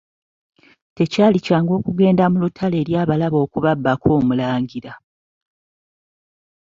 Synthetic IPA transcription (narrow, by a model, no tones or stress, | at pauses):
te̞caːlicaːŋɡo̞ːkuɡe̞ːndamulutʰale̞ːɾjaːβalaβo̞ːkuβabːakʰo̞ːmulaːɲɟiɾa